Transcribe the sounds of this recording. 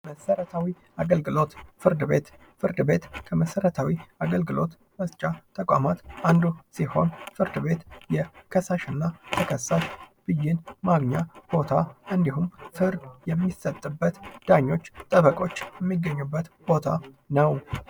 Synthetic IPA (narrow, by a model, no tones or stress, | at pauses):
məsəɾət̪ʰawi | aɡəlɡɨlo̞t̪fɨɾd̪ɨbe̞t̪ | fɨɾd̪ɨbe̞t̪kʰəməsəɾət̪ʰawiaɡəlɡɨlʔo̞t̪ | məzt͡ʃʼat̪ʰʼəkʼʷa̰mat̪ʔand̪usiho̞̰nfɨɾd̪ɨβe̞t̪jɛkʰəsaʃɪnːat̪ʰəkʰəsːaʃb̥ɨjːɪnmaɡɲab̥o̞t̪ʰaʔɨnd̪iɦumfɨɾd̪jɛmːisət̪ʼːɨbːət̪d̪̥aɲːo̞t͡ʃːt̪ʼəβəkʼo̞t͡ʃːjɛmːiɡːəɲːubːət̪b̥o̞t̪ʰa | nəw